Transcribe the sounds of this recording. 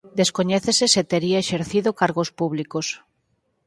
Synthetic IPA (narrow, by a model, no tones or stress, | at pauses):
d̪eskoɲɛθeseset̪eɾiaeʃeɾθiðokaɾɣospuβlikos